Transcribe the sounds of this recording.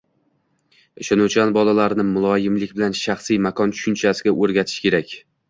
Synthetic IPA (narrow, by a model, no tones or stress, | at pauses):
eʃanʊt͡ʃʰanbɒlalaɾnɪmʊlˠɒjɪmlɪk̚ʲbɪlanʃaχsijmakʰɒnt͡ʃʰʊ̥ʃʊnt͡ʃʰasɪɡʲaʔɵɾɡʲat̪ʰɪ̥ʃkʲe̞ɾakʲ